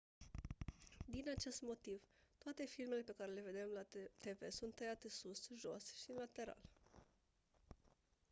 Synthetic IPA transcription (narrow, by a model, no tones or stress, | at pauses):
d̪inat͡ʃe̞st̪mo̞t̪iv | t̪oat̪e̞filme̞le̞pe̞kaɾe̞le̞ve̞d̪e̞mlat̪e̞ve̞sunt̪ːəjat̪esusʒo̞sʃilat̪e̞ɾa̰l